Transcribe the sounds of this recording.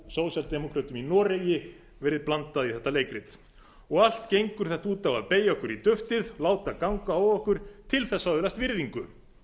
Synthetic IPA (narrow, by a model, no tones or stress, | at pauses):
soːwsɛlt̪ɛmɔkʰɾat̪ʏminɔːɾejɪ | vɛːɾɪðplant̪aðiθɛht̪ːaleːjkɾɪt̪ | ɔɣal̥t̪cejŋkʏɾ̥θɛht̪auːt̪avaðpeːjɔhkʏɾit̪ʏft̪ɪðlaːwt̪akawŋkaawɔhkʏɾ̥t̪ʰɪlθɛsːaðɪlast̪vɪɾðiŋkʏ